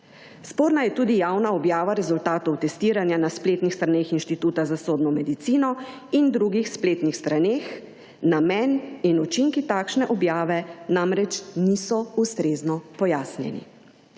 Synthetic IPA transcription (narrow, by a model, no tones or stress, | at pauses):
spoːɾnajɛt̪uːd̪ijawnaɔbjaːʋaɾɛzult̪aːt̪ɔwt̪ɛst̪iːɾanjanaspleːt̪nixst̪ɾaneːxinʃt̪it̪uːt̪azasoːd̪nɔmɛd̪it̪siːnɔ | ind̪ɾuɡixspleːt̪nixst̪ɾaneːx | namɛninut͡ʃiŋkit̪aːkʃnɛʔɔbjaːʋɛnamɾɛt͡ʃnisɔust̪ɾeːznɔpɔjaːsnjɛ̰nḭ